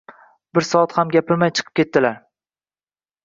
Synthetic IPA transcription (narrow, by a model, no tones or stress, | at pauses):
bɪɾsɒat̪hamɡʲapʰɪɾmajt͡ʃʰɨ̥qʰɨ̥pkʲʰe̞t̪ːɪlaɾ